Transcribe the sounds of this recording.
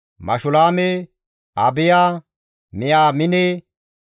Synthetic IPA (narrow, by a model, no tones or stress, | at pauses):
mɐ̰ʃʊlaːme | ɐbɪjaː | mɪjaːmɪneː